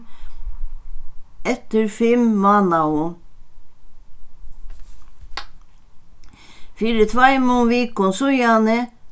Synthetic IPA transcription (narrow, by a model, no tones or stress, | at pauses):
ɛt̪əɾfɪmmɑːnɑʊ | fiːɾət̪ʰʋɑɪmʊnʋiːkʊnsʊjɑnə